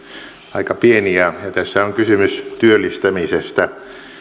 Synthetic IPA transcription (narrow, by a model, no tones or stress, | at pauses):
ɑikɑpieniæjɑt̪æsːæoŋkysymyst̪yølːist̪æmisest̪æ